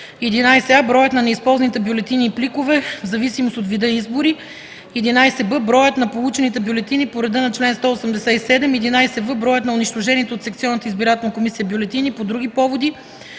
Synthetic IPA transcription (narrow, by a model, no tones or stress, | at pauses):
ɛd̪inajsɛabɾɔjət̪nɐnɛispɔlˠzɐnit̪ɛbjolɛt̪iniːplikovɛvzɐvisimost̪ot̪vid̪ɤizbʊɾi | ɛd̪inajsɛbəbɾɔjət̪nɐpolˠut͡ʃɛnit̪ɛbjolɛt̪inipoɾɛd̪ənɐt͡ʃlɛnst̪ɔosəmd̪ɛsɛisɛd̪ɛmɛd̪inajsɛvəbɾɔjət̪nɐoniʃt̪oʒɛniɛt̪ot̪sɛk̚t̪siɔnːət̪əizbiɾat̪ɛlˠnəkomisijəbjolɛt̪inipod̪ɾuɡ̟ipɔvod̪i